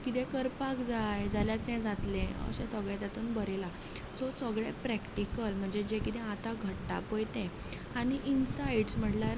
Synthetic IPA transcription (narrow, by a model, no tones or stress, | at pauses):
kit̪ɛ̃kəɾpakd͡zajd͡zʱaljat̪nɛ̃d͡zat̪lẽə̰ɕɛ̃səɡɭɛ̃t̪at̪uːnbəɾela | sosəɡɭepɾækʈikəlm̤əɳd͡zed͡ʑekit̪ɛ̃at̪aɡʱəʈːa̰pəjt̪ɛ̃ | aɽ̃iʔinsaiɽsm̤əʈlaɾ